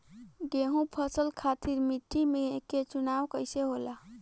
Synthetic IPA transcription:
ɡeɦũpʰəsəlkʰat̪iɾmiʈːimeket͡ʃunawkəɪseɦola

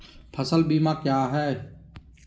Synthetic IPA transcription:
pʰəsəlbiːmãːkjaːɦɛː

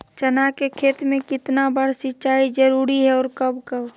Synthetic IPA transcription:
t͡ʃənakekʰeːt̪mẽkɪt̪nabəɽ̤sɪt͡ʃaːid͡ʒəɾuːɾiɦɛɔːɾkəbkəb

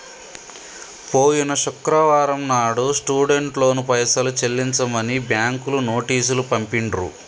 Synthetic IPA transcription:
poːjinɐʃukɾɐʋaːɾɐmnaːɽusʈuːɽe̞ɳʈlo̞ːnupɐjsɐlut͡ʃelːiɲt͡ʃɐmɐnibjaːŋkuluno̞ːʈiːs̬ulupɐmpiɳɖɾṵ

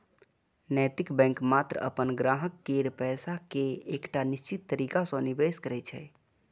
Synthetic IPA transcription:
nɛːt̪ɪkbɛ̃ːŋkmaːt̪ɾəə̰pənɡɾaːɦəkːeɾpɛːsakeeːkʈanɪst͡ʃɪt̪ːəɾiːkasɔ̃nibeːskəɾɛt͡ʃʰɛ̰

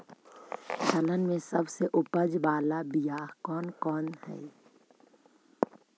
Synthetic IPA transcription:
t͡ʃɐlənmẽsɐbseʔʊpəd͡ʒbaːlabijaːkɔːnkɔːnhɛ̰ː

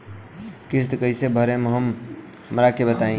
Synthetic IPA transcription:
kist̪kəɪsebʱəɾemɦəm | ɦəmɾakebət̪aĩ

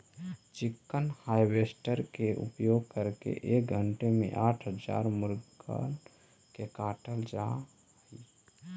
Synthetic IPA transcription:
t͡ʃikːənhajbesʈəɾkeʔṵpjoɡ̚kəɾkḛʔek̚ɡʱəɳʈemḛ̃ʔaʈʰɦəd͡ʒa̰ɾmuɾɡə̰n | kekaʈəld͡ʒa | ɦəj

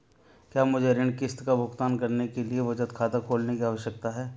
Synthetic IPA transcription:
kjaːmʊd͡ʒʱeɾɪ̃ɳɖkɪst̪kabʱʊkt̪aːnkɐɾnekelieʋɐd͡ʒət̪kʰaːt̪akʰoːlnekiaːʋəʃjək̚t̪aɦɛː

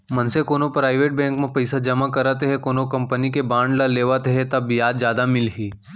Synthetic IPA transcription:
mɐnsekoːnopɾaːɪʋeːʈ̚bɛ̃ːŋkmẽpɐɪsad͡ʒɐmakɐɾət̪ɦɛkoːnokɐ̃mpənikebãːɳɖlaleːʋat̪ɦɛt̪ɐbbijaːd̪d͡ʒjaːd̪amɪlɦiː

